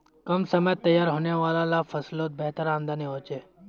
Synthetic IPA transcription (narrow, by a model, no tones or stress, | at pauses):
kɐmsəmət̪ːɐjːaːɾɦoːneʋaːlalafʰɐsloːt̪̚bɛɦt̪əɾãːnd̪aːniɦõːt͡ʃeː